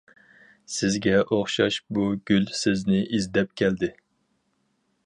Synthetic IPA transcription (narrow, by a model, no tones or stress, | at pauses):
sɪzɡʲɛʔoχʃɑ̰ʃbuɡʲylsɪznɪʔizd̪ɛp̚kʲʰɛld̪ɪ